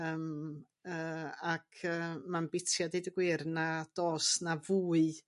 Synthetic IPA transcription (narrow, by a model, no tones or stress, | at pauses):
əːm | əːakʰəːmanbɪtʰjadedəɡwɪrnad̥oːsnavuːɨ